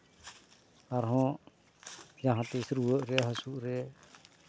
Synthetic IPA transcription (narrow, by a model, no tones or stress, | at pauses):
aɾɦɔ̃ | d͡ʒãɦãt̪ɛsɾuwəʔɾɛɦasuʔɾɛ